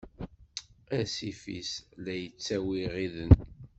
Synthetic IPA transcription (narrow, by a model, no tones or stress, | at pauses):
æsifḭslæjət͡sːæwiʁiðən